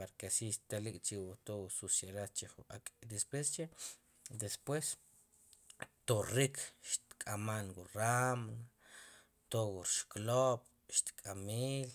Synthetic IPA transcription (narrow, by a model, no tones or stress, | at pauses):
paɾkesiʃt̪alikʼt͡ʃiwut̪owususeɾat͡ʃiχua̰kʼd̪espwest͡ʃe | d̪espwes | t̪orikʰʃt̪kʼamanɡuɾamna | t̪owuɾʃklop | ʃt̪kʼamiːl